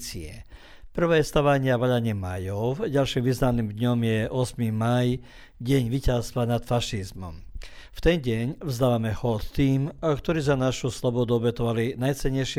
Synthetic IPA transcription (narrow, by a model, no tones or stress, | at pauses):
t͡siɛ̰ | pr̩ʋɛːɛst̪aʋaɲɪaʋaʎaɲɪɛma̰jɔɟalʃiːmʋiznaniːmd̪ɲɔmjɛʔɔsmimaj | ɟɛɲʋicast̪ʋanat̪faʃizmɔ̰mft̪ɛnɟɛɲvzd̪aːʋamɛxɔt̪t̪iːmkt̪ɔɾiːzanaʃuslɔbɔd̪uɔbɛt̪ɔʋalinajt͡sɛɲːɛjʃɪ